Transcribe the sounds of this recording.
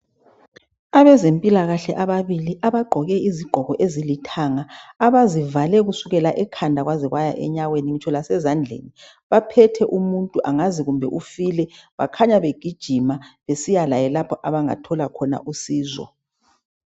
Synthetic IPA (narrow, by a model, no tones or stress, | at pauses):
aβɛzempʼilaɣaɬɛʔaβaβiliʔaβaɡ͡ǃʱɔɣɛiziɡ͡ǃ̥ʱɔɣɔʔezilitʰaŋaːβazivalɛɣusuɣɛlaʔɛkʰandʱaɣwaziɣwajaʔɛ̰ɲaɣweniŋit͡ʃʰɔlasɛzand͡ɮʱḛni | βapʰɛtʰɛʔumuntʼuʔaŋaziɣumbʱɛ̰ʔufilɛβa̰kʰaɲaβeɡ̥ʱid̥ʒ̥ʱimaβesijalajɛlapʰɔʔaβaŋa̰tʰɔlakʰɔna̰ʔusiːzɔ̰